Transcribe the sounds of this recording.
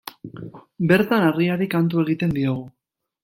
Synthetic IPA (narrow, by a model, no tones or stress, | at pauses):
be̞ɾt̪anariaɾikant̪̬ue̞ɣ̞it̪e̞nd̪io̞ɣ̞u